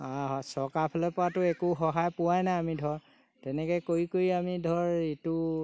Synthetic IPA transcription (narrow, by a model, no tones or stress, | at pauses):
aɦɔsɔkapʰɛlɔpɔatʊɛkʊxɔɦajpʊwajnaamidʱɔɹ | tɛnɛkɔjkoɹikoɹiamidʱɔɹitʊ